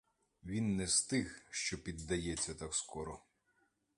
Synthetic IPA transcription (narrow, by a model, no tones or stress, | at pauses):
ʋʲinːɛst̪ɪxʃt͡ʃɔpʲid̪ːɐjɛt͡sʲːɐt̪akskɔɾɔ